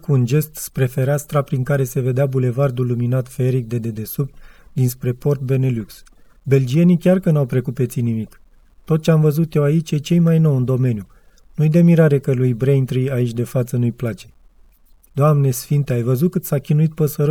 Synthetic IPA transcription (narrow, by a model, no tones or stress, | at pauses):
kuːnd͡ʒe̞st̪spɾe̞fe̞ɾast̪ɾapɾiŋkaɾe̞se̞ve̞d̪eabule̞vard̪uluminat̪feɾik̚d̪e̞d̪ed̪e̞supd̪inspɾe̞po̞rt̪̚be̞ne̞luks | be̞ld͡ʒije̞nikʲarkənawpɾe̞kut̪̚pe̞t̪sijnimik | t̪o̞t̪̚t͡ʃeamvəzut̪jewait͡ʃjet͡ʃe̞jmajno̞wɨnd̪o̞me̞nju | nujd̪emiɾaɾe̞kəlujbɾejnt̪ɾiait͡ʃʲd̪e̞fat̪sənujplat͡ʃe̞̥ | d̪oamne̞sfint̪eajvəzut̪̚kɨt̪sakʲinuit̪̚pəsəɾə